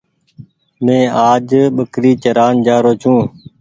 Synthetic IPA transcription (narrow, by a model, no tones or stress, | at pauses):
mẽːaːd͡ʒɓəkɾiːt͡ʃəɾaːnd͡ʒaːɾoːt͡ʃʰũː